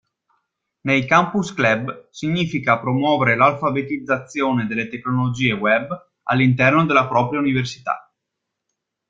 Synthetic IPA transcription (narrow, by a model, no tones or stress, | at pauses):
nejkampusklɛbsiɲːiːfikapɾomwɔːveɾelalfabet̪id̪zːat̪sːjoːned̪elːet̪ekːnolod͡ʒiːewɛb | a̰lːint̪ɛrnod̪elːapɾɔːpɾjauniversit̪a̰